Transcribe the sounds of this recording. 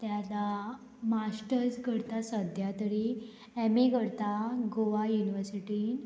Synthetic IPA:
t̪jala | masʈəɾd͡zɡəɾt̪asəd̪ʱjat̪əɽi | ɛmeɡəɾt̪aɡoʋajuniʋəɾsiʈin

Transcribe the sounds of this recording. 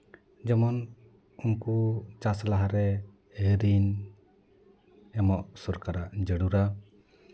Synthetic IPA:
d͡ʒɔmɔn | uŋkut͡ʃaslaɦaɾɛ | əɾin | ɛmɔʔsɔɾkaɾaʔd͡ʒəɽuɾa

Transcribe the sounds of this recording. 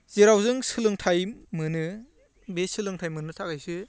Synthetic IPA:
z̥eɾawzɯŋsɯlɯŋtʰajmɯnɯ | besɯlɯŋtʰajmɯnɯtʰakajsɯ

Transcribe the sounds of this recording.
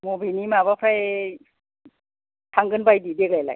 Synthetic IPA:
mobinimabapʰɾaj | tʰaŋɡɯnbajdideklajla̰j

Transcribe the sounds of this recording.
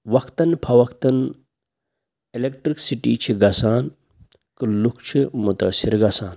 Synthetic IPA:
ʋɐkʰt̪ɐnpʰɐʋɐkt̪ɐn | elek̚ʈɾiksiʈiːt͡ʃʰiɡɐsaːn | kɨlukʰt͡ʃʰimut̪ɐsiɾɡɐsaːn

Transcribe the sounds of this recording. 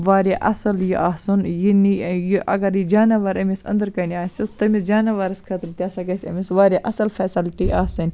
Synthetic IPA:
ʋaːɾʲaʔɐsɐljiʔaːsunjinijiʔɐɡɐɾid͡ʒaːnɐʋɐɾɐmisɐ̰nd̪ɐɾkɐniaːsʲɐst̪ɐmisd͡ʒaːnɐʋaːɾɐskʰɐt̪ɾt̪ʲjaːsɐɡɐsʲɐ̰misʋaːɾʲeʔɐsɐlfeːsɐlt̪iʔaːsɐnʲ

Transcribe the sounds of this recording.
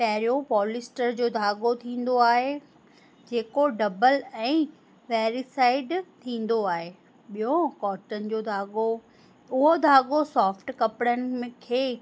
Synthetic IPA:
pɐɦɪɾijopɔːlɪsʈəɾd͡ʑoːd̪ʱaːɠot̪ʰĩːn̆d̪oaːɦe | d͡ʑeːkoɖɐbəlɛ̃ː | ʋɛːɾisaːɪɖt̪ʰĩːn̆d̪oaːɦe | ɓijokɔːʈənɪ̆d͡ʑoːd̪ʱaːɠo | ʊɦod̪ʱaːɡosɔːfʈkɐpɽənɪ̆mẽkʰeː

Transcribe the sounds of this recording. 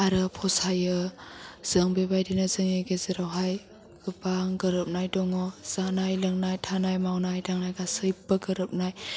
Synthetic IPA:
aɾɯpʰɔsajɯ | z̥ɯŋbebajdinazɯŋeɡezɯɾawɦaj | ɡ̥ɯbaŋɡɯɾɯp̚najdɔŋɔz̥anajlɯŋnajtʰanajmawnajdaŋnajɡasɯjpːaɡɯɾɯp̚naj

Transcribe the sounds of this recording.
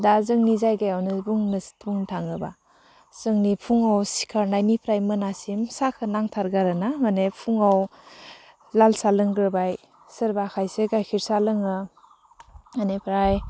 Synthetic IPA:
dazɯŋnizajɡajawnɯbuŋnɯstʰbuŋtʰaŋɯba̰ | z̥ɯŋnipʰuŋawsi̥kʰaɾnajnipʰɾajmɯnasimsakʰɯnaŋtʰaɾɡaɾɯnamanepʰuŋaw | lalsalɯŋɡɾɯbaj | sɯɾbakʰajseɡajkʰiɾsalɯŋɯ | anepʰɾaj

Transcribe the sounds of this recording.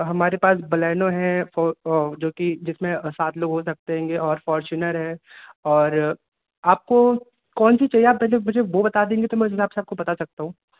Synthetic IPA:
ɦɐmaːɾepaːsbɐlɛːnõɦɛ̃fɔd͡ʒoːkid͡ʒɪsmẽsaːt̪loːɡɦosɐk̚t̪eɦɛ̃ːŋɡeɔːɾfɔːɾt͡ʃʊnəɾɦɛ̃ːɔːɾ | aːp̚ko | kɔːnsit͡ʃɐɦijeaːp̚pɛɦlemʊd͡ʒʱeʋobɐt̪ad̪ẽːŋɡit̪omɛ̃ʊs̬ɦɪsaːbseap̚kobɐt̪asɐk̚t̪aɦũː

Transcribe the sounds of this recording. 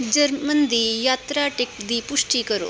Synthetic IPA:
d͡ʑəɾmənd̪ijat̪ɾaʈek̚d̪ipuʂʈikəɾo̰

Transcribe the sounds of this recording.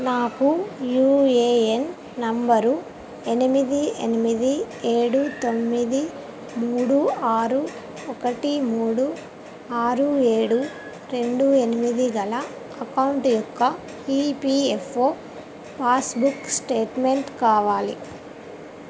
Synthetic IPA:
naːkujuːeːen | nɐmbɐɾu | enimid̪ienimid̪i | e̞ːɽut̪o̞mːid̪i | muːɽuaːɾu | ɔkɐʈimuːɽu | aːɾue̞ːɽu | ɾe̞ɳɖue̞nimid̪iɡɐlɐ | ɐkɐwɳʈjɔkːɐ | ipiefʰoː | paːsbuksʈe̞ːʈmeɳʈkaːʋaːlḭ

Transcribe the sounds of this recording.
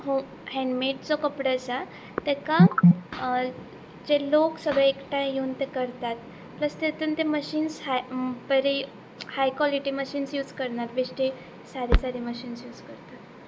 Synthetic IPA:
ɦo | hɛ̃ɳɖmeʈ̚t͡sokəpɽəsa | t̪eka | d͡ʑeloksəɡɭeekʈajjeunt̪ekəɾt̪at̪ | pləst̪et̪unt̪eməɕiːnshapəɾe | hajkwɔliʈiməɕiːnsjuːd͡zkəɾɳaɾbesʈe | saɾisaɾiməɕiːnsjuːd͡zkəɾt̪at̪

